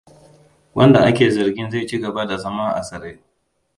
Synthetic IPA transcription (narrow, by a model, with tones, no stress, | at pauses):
wɐ˦nda˨ʔa˦kʲeː˨zɐ˨ɾɡʲɪ˦nza˦˨t͡ʃi˦ɡɐ˨ba˦da˨zɐ˦ma˦ŋʔa̰˨sɐ˨ɾe˦